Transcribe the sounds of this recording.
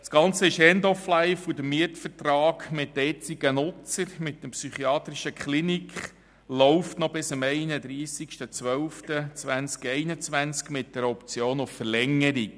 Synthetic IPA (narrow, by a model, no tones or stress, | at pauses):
skɑnt͡səɪʃɛndɔflæɪfud̪əmiətfərtrɑːkmɪtːɛt͡siɡ̥ənʊt͡səɾmɪt̚ːəmpsyχiɑːt̪ɾiʃəkχlinikχ | lɔʊftnɔb̥ɪsəmɛɪnəd̪ɾiːsikʃtət͡sʋœlftət͡sʋænt͡skɛɪnət͡sʋænt͡skmɪt̚d̥ɛɾɔpt͡sjoːnʊffəɾlɛŋːəɾik